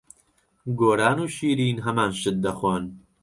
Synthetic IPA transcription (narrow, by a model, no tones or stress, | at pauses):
ɡoːɾaːnuːʃiːɾiːnɦɐmaːnʃɨt̪̚d̪ɐxwan